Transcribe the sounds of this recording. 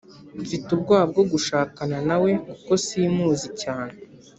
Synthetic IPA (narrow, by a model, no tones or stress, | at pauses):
fitubɡwaːb̚ɡo̞ɡuʃaːkananawe̞kuko̞simuːzicaːne